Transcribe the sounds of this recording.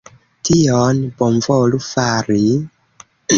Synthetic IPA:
tionbomvolufaɾi

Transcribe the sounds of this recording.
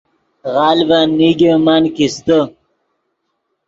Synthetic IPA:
ɣɑːlbanːiɡemankist̪ə

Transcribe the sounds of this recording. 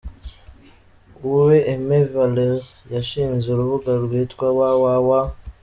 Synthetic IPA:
uweʔːmevaleʁjaʃiːnzeuɾuβuɡalwiːtkwawawawa

